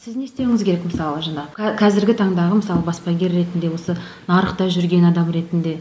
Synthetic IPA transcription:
sɪzne̞st̪e̞wɪŋʲɪzkʲʰe̞ɾekməsɑlˠəʒɑnɑkʲʰɑzɪɾɡʲɪt̪ʰɑɴd̪ɑʁəməsɑlˠəbɑspɑɡʲe̞ɾːe̞t̪ɪnd̪e̞wo̞sənɑɾəqt̪ɑʒʏɾɡʲe̞nɑd̪ɑmɾe̞t̪ɪnd̪e̞

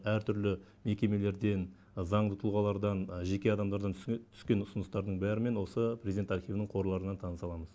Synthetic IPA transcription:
æɾt̪ʰʏɾlɪ | me̞kʲe̞me̞le̞ɾd̪e̞n | zɑɴd̪ət̪ʰʊlˠʁɑlˠɑɾd̪ɑnʒe̞kʲe̞ɑd̪ɑmd̪ɑɾd̪ɑnt̪ʰʏ̥skʲe̞nʊsənəst̪ɑɾd̪əɴbæɾɪme̞nwo̞səprezʲid̪ent̪ɑɾχijvənɪɴqʰo̞ɾlˠɑɾənːɑnt̪ʰɑnəsɑlˠɑməz

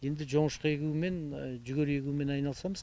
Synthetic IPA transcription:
je̞nd̪ɪʒo̞ɴəʃqəe̞kʲuɪme̞nʒʏɡʲøɾe̞kʲuɪme̞nɑjnɑlˠsɑməz

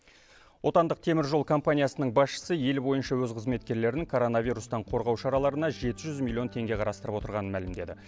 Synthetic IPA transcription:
wʔo̞t̪ɑnd̪əq̚t̪ʰe̞mɪɾʒo̞lˠkʰo̞mpanʲijasənəɴbɑsʃə̥səje̞lbo̞jənʃɑwɵzqʰəzme̞t̪kʲe̞ɾle̞ɾɪŋkʰo̞ɾo̞navʲijɾust̪ɑɴqʰo̞ɾʁɑwʃɑɾɑlˠɑɾənɑʒe̞t̪ɪʒʏzmilʲˠːiont̪ʰe̞ŋɡʲe̞qʰɑɾɑst̪əɾəpwot̪əɾʁɑnənmælɪmd̪e̞d̪ɪ

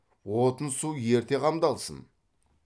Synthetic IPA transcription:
wo̞t̪ənsuje̞ɾt̪e̞qʰɑmd̪ɑlˠsə̰n

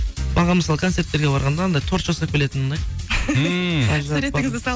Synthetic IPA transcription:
bɑʁɑməsɑlˠəkʰot̪se̞ɾt̪ːe̞ɾɡʲeɑɾʁɑnd̪ɑnd̪ɑjt̪ʰo̞ɾt̪ʒɑsɑkʲʰe̞le̞t̪ɪnonɑj | ʒsɾe̞tɪŋɪzd̪ɪsɑ

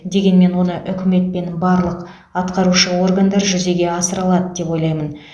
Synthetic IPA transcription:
d̪e̞ɡʲe̞nme̞nwo̞nəʔʏkʲɪme̞t̪̚pe̞nbɑɾlˠəq | ɑt̪qɑɾuʃəwo̞rɡand̪ɑɾʒʏze̞ɡʲe̞ɑsəɾɑlˠɑd̪əd̪e̞pwo̞jlˠɑjmən

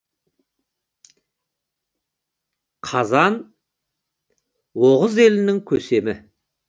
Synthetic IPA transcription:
qʰɑzɑn | woʁəze̞lɪnɪŋkʲʰɵse̞mɪ

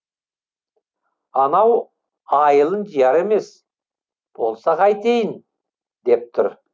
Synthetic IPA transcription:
ɑnɑw | ɑjəlˠənd͡ʒijɑɾe̞me̞s | b̥o̞lˠsɑqɑjt̪ejən | d̪e̞p̚t̪ʰʏɾ

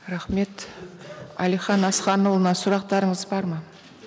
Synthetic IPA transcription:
ɾɑχme̞t̪ | ɑ̰lijχɑnɑsχɑnulˠənɑsʊɾɑq̚t̪ɑɾəɴəzbɑɾmɑ

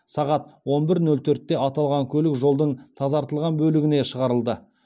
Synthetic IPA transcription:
sɑʁɑt̪wo̞nbɪɾnɵlt̪ʰɵɾt̪ːe̞ʔɑt̪ɑlˠʁɑŋkʲʰɵlɪkʒo̞lˠd̪əɴt̪ʰɑzɑɾt̪əlˠʁɑnbɵlɪɡʲɪne̞ʃəʁɑɾəlˠd̪ə

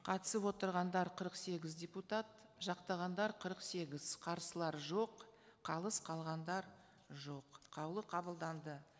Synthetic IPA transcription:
qʰɑt̪ə̥səpwo̞t̪əɾʁɑnd̪ɑɾqʰəɾəqse̞ɡʲɪzd̪ʲe̞put̪ɑt̪̚ | ʒɑqt̪ɑʁɑnd̪ɑɾqʰəɾəqse̞ɡʲɪz̥qʰɑɾsəlˠɑɾʒo̞qʰɑlˠəsqʰɑlˠʁɑnd̪ɑɾ | ʒo̞qːʰɑwlˠəqʰɑbəlˠd̪ɑnd̪ə

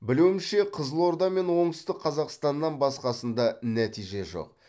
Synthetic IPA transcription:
bɪluwmɪʃe̞qʰəzəlˠo̞ɾd̪ɑme̞nwo̞ɴəst̪ɪqʰːɑzɑqst̪ɑnːɑnbɑsqɑsənd̪ɑnæt̪ijʒe̞ʒo̰q̚

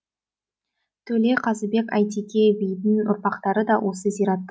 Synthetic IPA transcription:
t̪ʰɵle̞qʰɑzəbe̞kɑjt̪ikʲebijd̪ɪnʊ̰ɾpɑqt̪ɑɾəd̪ɑwʔo̞səzijɾɑt̪ː

